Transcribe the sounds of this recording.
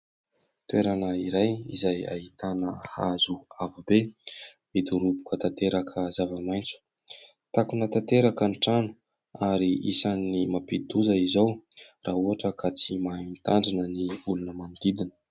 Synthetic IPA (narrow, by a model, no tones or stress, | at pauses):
t̪uweɾanəiɾajḭzaja̰ɦit̪anəha̰zuavube | mid̪uɾubu̥kət̪at̪eɾakʰəzavəmajnt͡su̥ | t̪akunət̪at̪eɾakənʈ͡ʂanu̥ | aɾiisanːimapid̪uzəizawrʔaɦuɦaʈ͡ʂəkat͡simamit̪aɳɖ͡ʐinəniulunəmand̪id̪inə̥